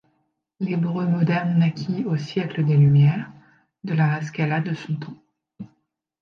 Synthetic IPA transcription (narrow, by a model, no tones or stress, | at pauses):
lebʁømɔd̪ɛʁnːakʲʰiosjɛkləd̪elymjɛːʁ | d̪əlaʁaskʲalad̪əsɔ̃t̪ʰɔ̃